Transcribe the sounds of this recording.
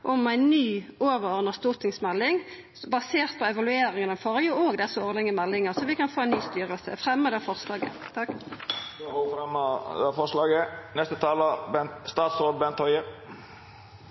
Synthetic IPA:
ʔɔmæɪnnyːoːʋəʁɔʁnəst̪uːt̪ɪŋsmɛlːɪŋ | bɑseːʁt̪̚pʰɔɛʋɑlʉeːɾɪŋənəfoːʁjʊoːɡd̪ɛsəoːʁlɪŋəmɛlːɪŋəʁsɔʋɪkɑnfoːæɪnyːst̪yːʁəlsə̰fʁɛmːəd̪ɛfɔʁslɑːɡə̰t̪ʰɑk | oofɾɛməd̪ɛfɔʂlɑːɡənɛst̪ət̪ʰɑːləbɛst̪ɑːt̪sɾoːd̪̚bɛnt̪ʰɔʏəʁ

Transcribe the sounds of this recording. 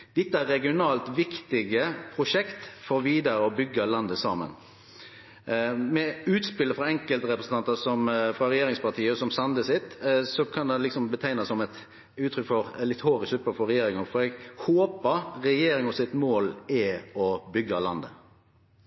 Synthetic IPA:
d̪̥ɛt̪ːəæɾɛɡɪʊnɑːlt̪ʋɪkt̪ɪɡəpʰɾʊʂɛkt̪fɔɾʋiːd̪əɾəɔbʏɡːəlɑnd̪əsɑ̰ːmə̰n | mɛʉːt̪spɪlːəfɾɑɛŋkəlt̪ɾɛpɾəsn̩ɑnt̪əsɔmfɾɑɾɛjeːɾɪŋspɑt̪ʰiːəɔsɔmsɑnd̪əsɪt̪sɔkʰɑnd̪ɛnlɪksɔmbət̪ʰæɪnɑsːɔmɛt̪ | ʉːt̪ʰɾʏkfɔɾlɪt̪hoːɾɪsʉpəfɔɾɛjeːɾɪŋəfɔɾɛɡhoːpəɾɾɛjeːɾɪŋɔsɪt̪moːlɛɔbʏɡːɑlɑnd̪ə

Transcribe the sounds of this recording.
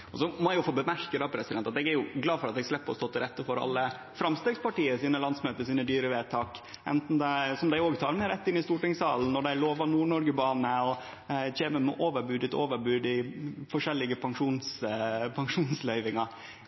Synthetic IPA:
ɔsɔmɔjʊfoːbəmæɾkəd̪ɑːpʰɾɛsɪd̪ɛnt̪ɑt̪ɛɡæɾjʊɡlɑːfɔɾɑt̪ɛɡslɛpːɔ̰st̪oːt̪ːɪɾɛt̪ːəfɔɾɑ̰lːə | fɾɑmst̪eːɡspɑʈiːəsiːnəlɑnsmøːt̪əɾsiːnəd̪yːɾəʋeːt̪ʰɑːk | ɛ̰nt̪n̩d̪ɛsɔmd̪æɪoːɡt̪ʰɑːɾmɛɾɛt̪ːɪnːɪst̪uːʈɪŋsɑːln̩ːɔɖæɪloːʋɑnuːɳɔɾɡəbɑːnəɔ | çeːməmɛ̰ʔoːʋəɾbʉːd̪ɪt̪oːʋəɾbʉːd̪ɪfɔʂɛlːɪɡəpʰɑŋʂuːnspʰɑŋʂuːnslœʏʋɪŋɑ

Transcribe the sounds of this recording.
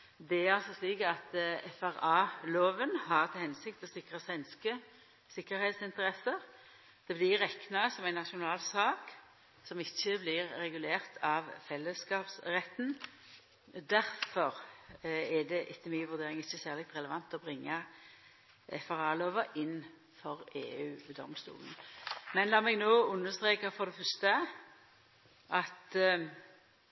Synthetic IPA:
d̪ɛæɾɑlsɔsliːkɑt̪ɛfæɾɑːloːʋənhɑʁt̪ʰɪlhɛnsɪkt̪ɔsɪkʁɑsʋɛnskə | sɪkːəɾheːt̪sɪnt̪əɾɛsəʁ | d̪̥ɛblɪɾɛknɑsɔmæɪnɑʃʊnɑːlsɑːk | sɔmɪçːəblɪʁːɛɡʉleːʁt̪ʰɑʋfɛlːəskɑːpsʁɛt̪ːn | d̪æɾfɔʁ | ɛd̪ɛʔɪt̪ːəmyːəʋʉʁd̪eːɾɪŋɪçːəsæːʁlɛk̚t̪ʁɛləʋɑnt̪ɔbɾɪŋːɑ | ɛfɑʁɑːloːʋəʔɪnː | fɔʁeːʉːd̪ɔ̰mst̪ṵːln̩mɛnlɑːmɛɡnoːʉnːəʁst̪ɾeːkɑfɔʁd̪ɛfœɾst̪ə | ʔɑt̪

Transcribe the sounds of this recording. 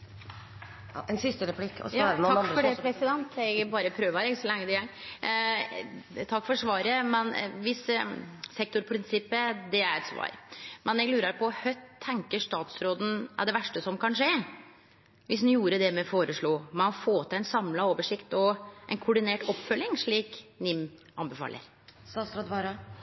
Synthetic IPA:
ɛnsɪst̪əɾɛpʰlɪkːɔ̰sjɾɛnɑfɔɖpʰɾɛsɪd̪ɛnt̪ɛɡbɑːɾəpʰɾøːʋɑɾɛɡsɔlɛŋːəd̪ɪæ | t̪ʰɑkːfɔʂʋɑːɾəmɛnʋɪssɛk̚t̪ʊɾpʰɾɪnsɪpːəd̪ɛæɾɛt̪sʋɑ̰ːɾmɛnɛɡlʉːɾəɾpʰɔːhœʏt̪ʰːɛŋkəʂt̪ɑːt̪sɾoːd̪n̩æ̰ɖ̪ɛʋæʂʈəsɔmkɑnʂeː | ʋɪs̩juːɾəd̪ɛmɛfoːɾəʂɭuːmɛɔfoːt̪ʰɛnsɑmlɑoːʋəʂɪkt̪ɔʔɛnkʰʊɖɪneːʈɔpːfœlːɪŋʂɭiːknɪmʔɑ̰nbɛfɑ̰ːlə̰ɾ | sɑst̪ɾɑd̪ʋɑɾɑ

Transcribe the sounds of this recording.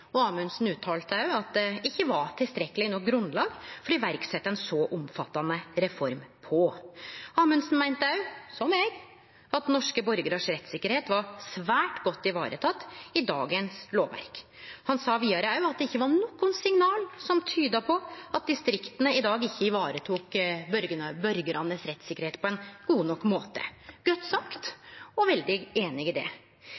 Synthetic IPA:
ɔɑːmʉnsn̩ʉːt̪ʰɑːlt̪əɑʉɑt̪̚d̪ɛɪçːəʋɑʈ̪ʰɪlst̪ɾɛkːəlɪnɔk̚ɡɾʉnd̪lɑːɡfɔɾɔɪʋæɾksɛt̪ːəɛnsɔʔʊmfɑt̪ːɑnəɾɛfɔɾmpʰɔ | ɑːmʉnsn̩mæɪnt̪əɑʉsɔmɛɡ | ɑt̪nɔʂkəbɔɾɡəɾɑʂɾɛt̪sɪkːəɾheːt̪ʋɑɾsʋæːʈɡɔt̪ːɪʋɑːɾʔə̰t̪ʰɑt̪ːɪd̪ɑ̰ːɡənsloːʋʋæ̰ɾk | hɑnsɑːʋiːɑɾəɑʉɑt̪̚d̪ɛɪçːəʋɑnɔkːʊnsɪŋnɑːlsɔmt̪ʰyːd̪əpʰɔɑt̪̚d̪ɪst̪ɾɪkt̪ənəɪd̪ɑːɡɪçːəɪʋɑːɾət̪ʰuːkbœɾɡənbœɾɡəɾɑnːəsɾɛt̪sɪkːəɾheːt̪pʰɔɛnɡ̥uːnɔkːmoːt̪ə̰ɡœt̪ːsɑkt̪ɔʋɛld̪ɪeːnɪɪd̪ɛ̰

